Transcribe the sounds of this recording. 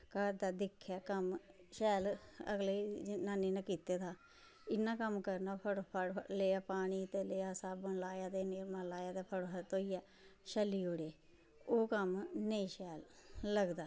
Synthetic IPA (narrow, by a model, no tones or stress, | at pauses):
kəɾd̪aːd̪ɪkʰːaːkəmʃɛːlə̰ɡleːnaːniːnãːkiːt̪eːt̪aː | ɪnːãːkəmkəɾnaːpʰəɽpʰəɽleːaːpaːɽ̃iːt̪eːleːaːsaːbənlaːjaːt̪eːnemaːlaːjaːt̪eːpʰəɽʰət̪oːiːɛː | ʃəlːiːɦoːɽeː | oːkəmnəĩːʃɛːlləɡd̪aː